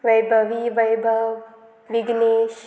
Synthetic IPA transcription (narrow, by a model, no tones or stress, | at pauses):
ʋɐjbʱɐʋiʋɐjbʱɐʋ | ʋiɡneːʃ